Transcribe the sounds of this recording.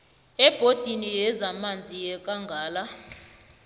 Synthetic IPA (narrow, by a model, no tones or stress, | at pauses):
ɛb̥ʱod̥ʱinijɛzamand͡zʱijɛkʼaŋɡʱaːla